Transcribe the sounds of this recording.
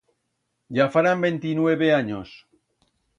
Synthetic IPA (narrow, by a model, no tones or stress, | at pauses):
ʝafaɾambent̪inwe̞βeaɲos